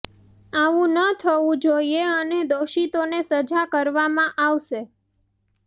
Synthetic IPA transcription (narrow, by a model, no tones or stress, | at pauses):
aʋũnət̪ʰəʋũd͡ʒoieəned̪oʃit̪onesəd͡ʒakəɾʋamãʔaʋʃe